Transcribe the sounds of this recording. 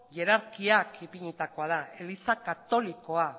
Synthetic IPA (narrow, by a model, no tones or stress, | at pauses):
ʝe̞ɾaɾkiakipiɲet̪ako̞að̞ae̞lisakat̪o̞liko̞a